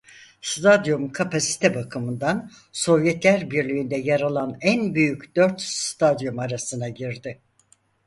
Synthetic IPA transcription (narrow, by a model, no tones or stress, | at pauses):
st̪ʰad̪jumkʰapʰasi̥t̪ʰɛbakʰɯmɯnd̪an | so̞vjɛt̪lʲæɾbiɾlʲiːnd̪ɛjaɾalˠanænbyjycd̪̥øɾt̪st̪ʰad̪jumaɾasɯnaɟiɾd̪ɪ